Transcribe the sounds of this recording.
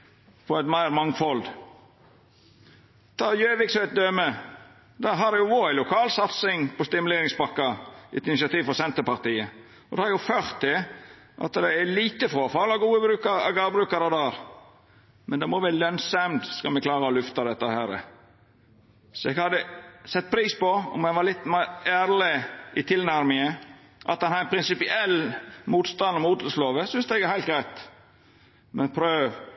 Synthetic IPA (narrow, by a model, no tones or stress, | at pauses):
pʰɔɛt̪mæɪɾmɑŋfɔl | t̪ʰɑːjøːʋɪksɛt̪̚d̪ømə | d̪ɑɦɑd̪ɛjʊʋoɾæɪlʊkʰɑːlsɑt̪sɪŋpʰɔst̪ɪmʉleːɾɪŋsbɑkːɑɛt̪ɪnɪsɑt̪iːʋfɔsɛnt̪əpɑɾt̪iːə | ɔd̪ɛhɑɾjʊføɾt̪ɛ | ʔɑ̰t̪d̪ɛæliːt̪əfɾoːfɑlɑɡuːəbɾʉːkəɾɑ̰ɡɑɾbɾʉːkɑɾɑd̪ɑːɾ | mɛnd̪ɛmɔʋælœnsɑɛmd̪skɑlmɛklɑːɾəɔlʉft̪ɑd̪ɛt̪ːəhæːɾə̰ | sɔɛɡhɑd̪ːəsɛt̪̚ːpʰɾiːspɔɔ̰mɛnʋɑɾlɪt̪ːmɑæːɾlɪɪt̪ʰɪlnæɾmɪŋəʔɑ̰t̪̚dɑnhɑd̪ænpʰɾɪnsɪpɪʔɛlːmuːt̪st̪ɑnd̪ɔmuːt̪ləsloːʋəsʏnsd̪ɛɡæɾhæɪlt̪ɡɾæɪt̪ | mɛnpʰɾøːʋ